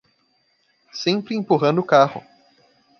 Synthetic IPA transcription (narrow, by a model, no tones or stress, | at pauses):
sẽpɾɪẽpuɦɐ̃nd̪ʊːkahʊ̰